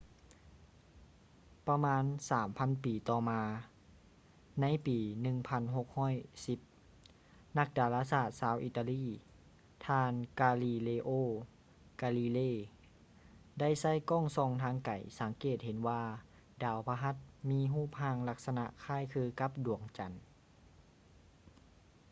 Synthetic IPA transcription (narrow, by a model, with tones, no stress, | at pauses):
pa˧maː˧˥˨nsaː˩˦mpʰa˧˥˨npiː˨˩t̪ɔː˧maː˧ | na˧˥jpiː˨˩nɯ˧˨ŋpʰa˧˥˨nɦo˧k̚hɔː˥˨jsi˧˦p̚ | na˧˥k̚daː˨˧laː˧saː˧˩t̪̚saː˧˥wʔiː˧t̪a˧liː˧˥˨ | t̪ʰaː˧nkaː˧liː˧leː˧ʔoː˧˩ | kaː˧li˧leː˧˩˨ | da˥˩jsa˧˥˩jkɔː˥˨ŋsɔː˧˩ŋt̪ʰaː˧˥ŋka˨˩jsa˨˩˦ŋkeː˨˩t̪̚he˨˦nwaː˧ | daː˨˩wpʰa˧ɦa˧˦t̪̚miː˧˥˨ɦuː˥˩p̚haː˧˩ŋla˧k̚sa˧na̰˧ʔkʰaː˧˥˨jkʰɯː˧ka˧˦p̚du˨˩˦əŋt͡ɕa˨˦n